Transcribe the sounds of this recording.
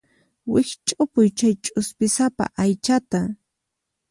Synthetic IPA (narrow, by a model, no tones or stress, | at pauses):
wɪkt͡ʃʼʊpʊjt͡ʃajt͡ʃʼʊspɪsapa̰ʔajt͡ʃat̪a